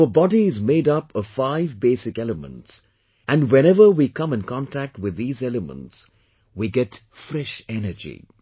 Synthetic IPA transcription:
əbɔdizmeɪdʌpəv̥faɪvbeːsɪkɛləmə̰̃nts | ʔæ̃nwɛ̃ñɛvə˞wikʰʌ̃mɨ̃nkʰɔ̃ntʰæk̚t̚wɪðːiːzɛləmə̰̃nts | wiɡɛt | fɾɛʃɛnəd͡ʒḭ

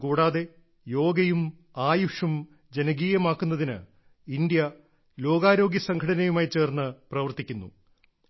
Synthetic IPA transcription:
kuːɽaːðe̞ | jo̞ːɡɐjum | aːjuʂum | d͡ʑe̞nɐɡiːjɐmaːkːunːɐðinɨ | ind̪jɐ | lo̞ːɡaːɾo̞ːɡjɐsɐŋɡʰʱɐɽɐnɐjumaːjt͡ɕe̞ːrnːɨprɐʋɐrt̪ikʲːunːṵ

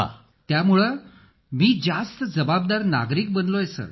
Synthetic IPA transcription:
a̰ | t̪jamuɭə | miːd͡zast̪əd͡zəbab̚d̪aɾna̰ɡɾiːk̚bənlojesə̰

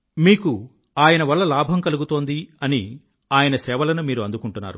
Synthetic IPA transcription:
miːku | aːjɐnɐʋɐlːɐlaːbʱɐmkɐluɡut̪o̞ːnd̪iɐni | aːjɐnɐsɛːʋɐlɐnumiːɾuɐnd̪ukuɳʈunːa̰ːɾu

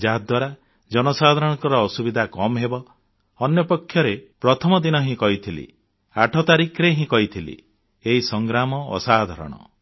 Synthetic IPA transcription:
d͡ʒaɦd̪waɾa | d͡ʒɔnɔsad̪ʱaɾɔɽ̃ɔ̃ŋkɔɾɔːsubid̪ʱakɔmɦebɔː | njɔpɔkʰːjɔɾepɾɔt̪ʰɔmɔd̪inɔɦĩkɔit̪ʰilḭ | aʈʰɔt̪aɾikʰɾeɦĩkɔit̪ʰilḭ | eɦisɔŋɡɾamɔ̰ːsad̪ʱɔɾɔ̰ɽ̃ɔ̰

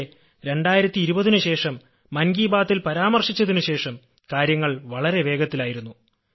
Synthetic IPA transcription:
ɾe̞ɳɖaːjiɾɐt̪ːiːɾubɐðinuɕe̞ːʂɐmː | ɐnɡiːbaːt̪ːilpɐɾaːmɐrʂit͡ɕːɐðinuɕe̞ːʂɐm | kaːɾjɐŋːɐɭʋɐɭɐɾe̞ʋe̞ːɡɐt̪ːilaːjiɾunːu

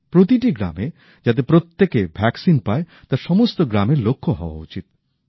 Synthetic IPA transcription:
pɾot̪iʈiɡɾa̰me | d͡ʑat̪̬epɾot̪ːekebʱɛksinpae | t̪aɾʃɔmost̪oɡɾameɾlokʰːoɦɔwa̰ut͡ɕit̪̚

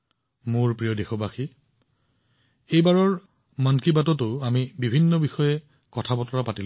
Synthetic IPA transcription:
mʊɹpɹijɔdexɔbaxi | ejbaɹɔɹ | mankibatɔtʊamibibʱinːɔbixɔjɛ | kɔtʰabɔtɔɹapatil

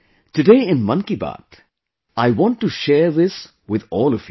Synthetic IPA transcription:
tɨdeɪɪ̃nmʌ̃nkiba̰ːt | aɪwɔ̃nʈːuʃɛːɾðɪs | wɪðɔːlɔvj

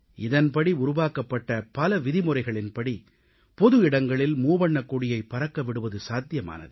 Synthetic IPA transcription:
ʔɪðɐnpɐɽiʊɾʊʋaːkɐpːɐʈːɐpɐlɐʋɪðɪmʊɾɐɪɣɐɭɪnpɐɽi | pɔðɯɪɽɐŋɡɐɭɪlmuːbɐɳːɐkːuɽɪjɐɪpːɐɾɐkːɐʋɪɽɯʋɐðɯsaːt̪ːɪjɐma̰ːnɐ̰ðɯ

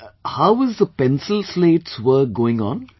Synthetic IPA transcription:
haʊəzd̪əpɛ̃nsəlsleːtswəːɡoːɪ̃ŋɔ̰̃n

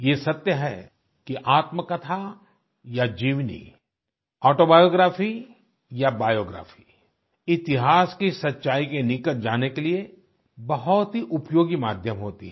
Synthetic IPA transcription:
jesɐt̪jəɦɛ̰ | kiʔaːt̪məkɐt̪ʰa | jad͡ʒiːʋnḭ | ɔːʈobaːjoːɡɾaːfi | jabaːjoːɡɾa̰ːfi̥ | ɪt̪ɪɦaːskisɐtːʃaːikenɪkət̪̚d͡ʒaːnekelie | bɐɦɔt̪ɦiʔʊpjoːɡimaːd̪ʱjəmɦoːt̪ḭɦɛ

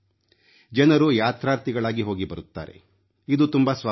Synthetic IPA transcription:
d͡ʒɐnɐɾujaːt̪ɾaːɾt̪iɡɐɭaːɡiɦo̞ːɡibɐɾut̪ːa̰ːɾe̞̰ | id̪ut̪umbɐsʋaː

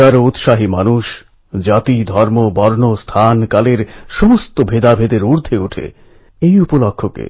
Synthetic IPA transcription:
aɾout̪ʃaɦimanuʃ | d͡ʑat̪id̪ʱɔɾmobɔɾnost̪ʰankaleɾʃomost̪obʱed̪abʱed̪eɾuɾd̪ʱeuʈʰḛ | ejupolokʰːokḛ

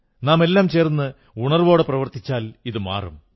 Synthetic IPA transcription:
naːme̞lːaːmt͡ɕe̞ːrnːɨ | uɳɐrʋo̞ːɽeprɐʋɐrt̪it͡ɕːaːliðɨma̰ːrṵm

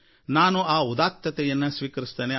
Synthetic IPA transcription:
naːnuaːud̪aːk̚t̪ɐt̪ɛjɐnːɐsʋiːkɐɾist̪ɐne

